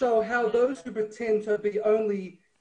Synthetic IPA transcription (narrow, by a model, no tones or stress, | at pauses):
oʊɦaʊðoʊz̥hʉpɹ̥ɨtʰɛ̃ntʰɨbiʔõʊ̃nli